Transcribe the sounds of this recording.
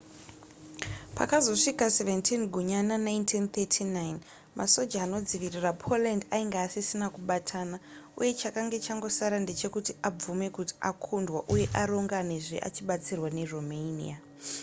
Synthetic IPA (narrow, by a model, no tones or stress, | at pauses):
pa̰kazo̞ʂikaseventʰinɡʱuɲananajntʰint̪etʰinajn | ma̰so̞d͡ʒaːno̞d͡ziʋirirapʰo̞landaiŋɡaːsisinakuɓatʰanaṵje̞t͡ʃakaŋɡe̞t͡ʃaŋɡo̞saɾande̞t͡ʃe̞kutiab͡vume̞kuti̥akʰundwaʔuje̞ʔaɾo̞ŋɡane̞ʐḛʔa̰t͡ʃiɓat͡sirwane̞romenḭa